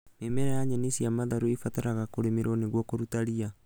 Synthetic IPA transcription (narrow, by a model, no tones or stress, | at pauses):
memeɾajaɲenisiamaðaɾuifataɾaɣakoɾemeɾoneɣwɔkoɾutaɾia